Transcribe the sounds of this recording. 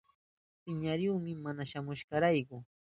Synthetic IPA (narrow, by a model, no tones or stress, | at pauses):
pɪɲaɾjuːmɪmanaʃamʊʃɢɑɾajkʊ